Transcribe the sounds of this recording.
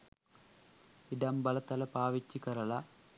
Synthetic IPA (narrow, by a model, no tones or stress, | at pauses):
iɖɐmbɐlɐt̪ɐlɐpaːʋit͡ɕːikɐɾɐɭɐ